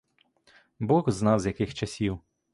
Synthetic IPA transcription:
bɔɣznɑwzʲjɐkɪxt͡ʃɐsʲiw

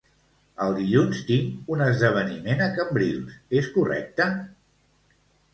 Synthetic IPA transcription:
əlˠd̪iʎunst̪iŋunəzðəβ̞ənimenəkəmbɾilˠseskurɛ̰k̚t̪ə

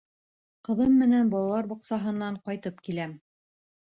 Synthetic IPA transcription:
qɤ̆ðɤmːɘ̆nænbɒlˠɑlˠɑɾbŏqsɑɦɤ̆nːɑɴqɑjt̪ɤpkilæm

